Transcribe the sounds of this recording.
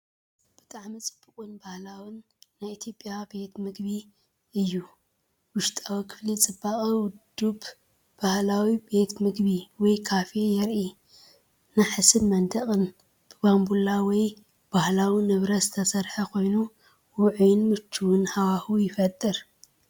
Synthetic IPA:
b̥ɨt̪ʼaʕmit͡sʼɨb̥ːɨkʼunbahlawɨnː | ajit̪ʰjo̞pʼːjabe̞t̪mɨɡβi | ɨjːu | wʊʃt̪ʼawikʰɨ̥flit͡sʼɨbːaχʼɐwʊd̪ːub | b̥ahlawibe̞t̪mɨɡβiwɔjkʰafejɛɾʔi | naħɨsɨnmɐnd̪ɐχʼɨn | b̥ɨbambulawɔj | b̥ahlawinɨβɾɐzɨt̪ʰɐsɐɾħɐkʰo̞jnu | wʊʕujɪnmɨt͡ʃʰːuwʊnhawahujɪfɐt̪ʼːɨɾ

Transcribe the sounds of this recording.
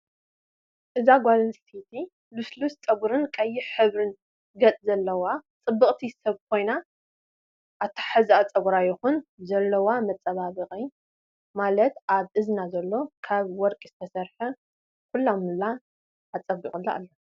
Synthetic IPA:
ʔɨzaɡʷalɨnsʼsit̪ʰi | luslust͡sʼɐɡʷuɾɨnkʼɐjːɪħɨβɾɨn | ɡɐt͡s̪ʼzɐlːɐwat͡sʼɨbːɨkʼt̪ʰisɐβkʰo̞jna | ʔat̪ʰḁħazat͡sʼɐɡʷuɾajɪxunzɐlːɐwamɐt͡sʼːɐβaβɨχʼɨ | malɐt̪ʔaβʔɨznazɐlːo̞kʰaβwɔɾkʼiz̥ɨt̪ʰɐsɐɾħɐ | kʰulːamɨlaː | t͡sʼɐbiχʼɨlːaʔa̰lːo

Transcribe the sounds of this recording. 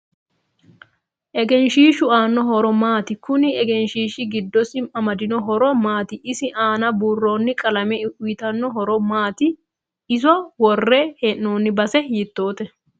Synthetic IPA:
ʔɛɡɛnʃiːʃʊaːnːɔɦɔɾɔmaːt̪ɪkʊnɪɛɡɛnʃiːʃɪɡɪd̪ːɔsɪmɐmɐd̪ɪnɔɦɔɾɔmaːt̪ɪʔɪsɪʔaːnɐbuːrːoːnːɪkʼɐlɐmɛʊjɪt̪ɐnːɔɦɔɾɔmaːt̪ɪ | ɪzɔwɔrːɛheʔnoːnːɪbɐsɛjɪt̪ːo̞ːt̪ɛ

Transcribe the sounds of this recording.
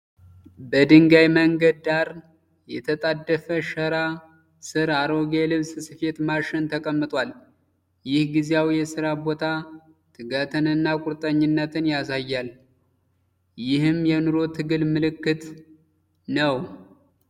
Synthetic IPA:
bəd̪ɨŋɡajməŋɡəd̪̚ːaɾ | jɛt̪ʰət̪ʼad̪ːəfəʃəɾa | sɨɾaɾo̞ɡelɨβssɨfe̞t̪maʃɪnt̪ʰəkʼəmːɨt̪ʼwal | jɪhɡizejawjɛsɨɾabo̞t̪ʰa | t̪ʰɨɡat̪ʰɨnɨnːakʼʊɾt̪ʼəɲːɪnːət̪ʰɨnjasajːal | jɪhɨmjɛnɨɾo̞t̪ʰɨɡɨlmɨlɨkːɨt̪ | nəw

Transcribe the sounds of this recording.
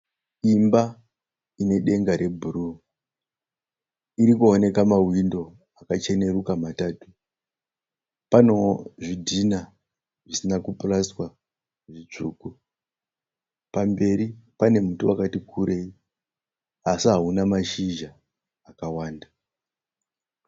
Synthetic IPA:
imba | ine̞ɗe̞ŋɡaɾe̞bʱuɾu | iɾikuone̞kamawindo̞ | akat͡ʃe̞ne̞ɾukamataːtu̥ | pano̞ʐidʱina | ʐisinakupuraswa | ʐit͡ʂuːku | pambe̞ɾipane̞mutuakatikʰuɾʔe̞i | asiɦaunamaʃiʒaː | kawaːnda

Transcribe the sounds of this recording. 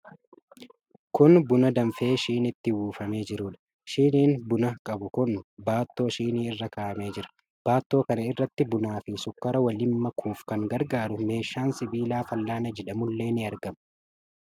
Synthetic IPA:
kʊnbʊnɐd̪ɐmfe̞ːʃiːnɪt̪ːɪwuːfɐme̞ːd͡ʒɪɾʊːᶑ̪ɐ̥ | ʃiːniːnbʊnɐkʼɐbʊkʊnbaːt̪ːo̞ːʃiːniːɪrːɐkaːʔɐme̞ːd͡ʒɪɾɐ̥ | b̥aːt̪ːo̞ːkɐnɐɪrːɐt̪ːɪbʊnaːfɪsʊkːɐɾɐwɐlɪmːɐkʰuːfkɐŋɡɐɾɡaːɾʊme̞ːʃːaːnsɪbiːlaːfɐlːaːnɐd͡ʒɛᶑɐmʊlːe̞ːnɪɐɾɡɐmɐ

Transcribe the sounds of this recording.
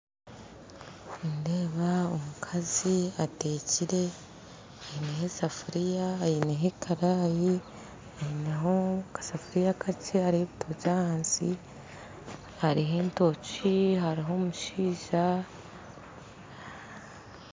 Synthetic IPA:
indeːβao̰mukʰaziate̞ːciɾe̞ | ahineɦesafuɾijaːjineɦekʰaɾaːji | ajiːneɦokḁsafuɾijakʰacehaɾiheβitʰocaːhaːnsi | haɾiɦe̞ːnto̞ciɦaɾiɦo̞ːmuʃiːʒa

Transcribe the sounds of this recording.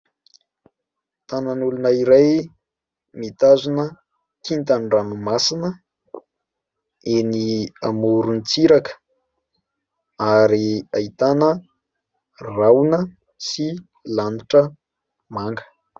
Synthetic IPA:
t̪ananulunaiɾaj | mit̪azunə | kʰint̪anranumasinə | eniamuɾunit͡siɾakə̥ | aɾiait̪anə | rawnə | si | laniʈ͡ʂə | maŋɡə̥

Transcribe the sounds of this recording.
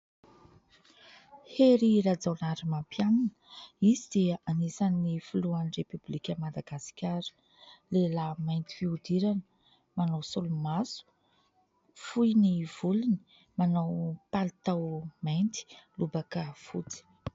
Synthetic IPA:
heɾiɾad͡zawnaɾimampjananəizid̪iʔanisanːifuluanirepyblikʲəmad̪aɡasi̥kʲaɾə̥ | lelamajnt̪i̥fiud̪iɾanə | manawsulumasu̥ | fujniv̥uluni̥ | manawpalit̪awmajnt̪i̥lubakəfṵt͡si̥

